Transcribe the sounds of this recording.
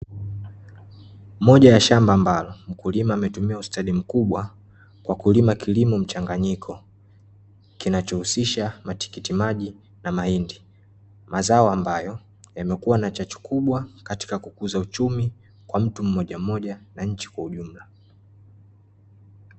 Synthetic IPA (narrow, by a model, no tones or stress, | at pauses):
mɔʄajaʃambaːmbalɔm̩kulimaːmɛtumiaustaɗim̩kuɓwa | kwʔakulimakʰilimum̩t͡ʃaŋɡaɲikʰɔ | kinat͡ʃɔhusiʃamati̥kitimaʄi | namahindi | mazaɔambajɔ | jamɛkuwanat͡ʃat͡ʃu̥kʰuɓwakati̥kakukuzaut͡ʃumi | kwam̩tum̩ːɔʄam̩ɔʄanaɲ̩t͡ʃi̥kwauʄum̩la